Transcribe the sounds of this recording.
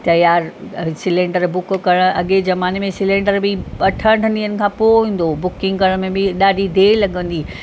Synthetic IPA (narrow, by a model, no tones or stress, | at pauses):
t̪ɐjaːɾsɪlẽːɳɖəɾbʊkkɐɽ̃ɐɠezɐmaːnemẽsɪlẽːɳɖəɾbɪɐʈʰəʈʰəniənɪ̆kʰãːpoːʋĩːn̆d̪obʊkɪ̃ŋɡkɐɽ̃mẽbɪɗaːɖʱid̪eːlɐɠə̃nd̪iː